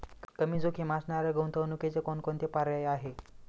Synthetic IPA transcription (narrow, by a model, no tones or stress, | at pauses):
kəmiːd͡zokʰiːmasnaɾəɡəwnt̪ʰəʋnuket͡sekonkont̪epaɾjajaɦe